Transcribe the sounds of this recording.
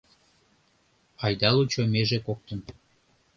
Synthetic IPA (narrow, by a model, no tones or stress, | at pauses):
ɑjd̪ɑlut͡ɕomeʒekok̚t̪ən